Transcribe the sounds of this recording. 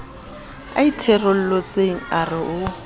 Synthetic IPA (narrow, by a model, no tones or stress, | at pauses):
a̰itʰɛrol̩lot͡sʼeŋ̩arɪʔʊ